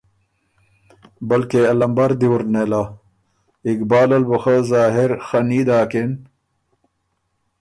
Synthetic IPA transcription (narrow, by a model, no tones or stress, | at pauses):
bɐlkeɐlɐmbɐɾd̪iwuɾnela | ikbaːlɐlbuxazaːɦeɾxɐniːd̪aːken